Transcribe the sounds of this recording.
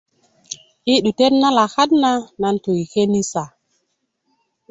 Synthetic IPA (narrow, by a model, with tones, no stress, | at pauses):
ʔi˦ɗu˨te˦tna˦la˨xa˦tna˦na˨nto˨jke˦ni˦sa˨